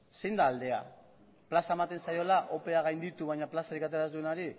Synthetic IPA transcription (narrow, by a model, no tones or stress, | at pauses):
se̞jnd̪aːld̪e̞a̰ | plasaemat̪e̞nsajo̞laʔo̞pe̞aɣ̞ajnd̪it̪uβajɲaplasaɾikat̪e̞ɾazd̪ue̞naɾi